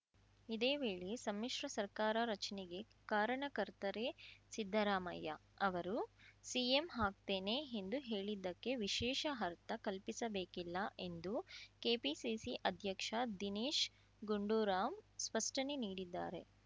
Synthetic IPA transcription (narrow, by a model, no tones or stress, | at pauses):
id̪e̞ːʋeːɭisɐmːiʂɾɐsɐɾkaːɾɐɾɐt͡ʃɐneɡe̞ | kaːɾɐɳɐkɐɾt̪ɐɾesid̪ʱːɐɾaːmɐ̰jːɐ̰ɐʋɐɾusiemɦaːk̚t̪eːne̞end̪uɦe̞ːɭid̪ːɐkːe̞ʋiʃɛːʃɐɦɐɾt̪ɐkɐlpisɐbeːkilːɐʔe̞nd̪uke̞ːpisisiʔɐd̪ʱjɐkʂɐd̪iniːʃ | ɡuɳɖuːɾaːmspɐsʈɐneniːɽid̪ːa̰ːɾe̞̰